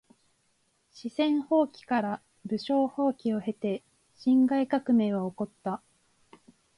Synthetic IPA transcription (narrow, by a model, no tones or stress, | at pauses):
ɕisẽ̞ɰ̃ho̞ːkʲi̥kaɾa | bɯ̟ɕo̞ːho̞ːkʲio̞he̞t̪e̞ | ɕĩŋɡaikakɯ̟me̞ːβao̞ko̞t̪ːa